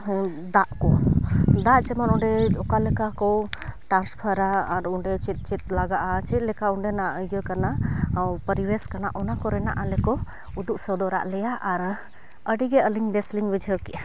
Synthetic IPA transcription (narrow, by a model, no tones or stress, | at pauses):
d̪aʔkɔd̪aʔt͡ʃɛmanɔɳɖɛɔkalɛkakɔʈɾanspʰəɾaːɾɔɳɖɛt͡ʃit̪̚ˀt͡ʃit̪̚ˀlaɡaʔat͡ʃɛt̪̚ˀlɛkauɳɖɛnaʔəjɡəkanapəɾiwɛskana̰ʔɔnakɔɾɛna̰ʔalɛkɔ | ud̪uʔsəd̪ɔɾa̰ʔlɛjaʔaɾ | əɖiɡɛəliŋbɛsliŋbid͡ʒʱwkɛʔa